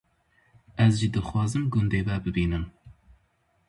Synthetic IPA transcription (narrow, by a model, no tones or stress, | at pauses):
ɛzʒid̪ɨxwɑːzɨmɡʊnd̪eːbɛbɨbiːnɨm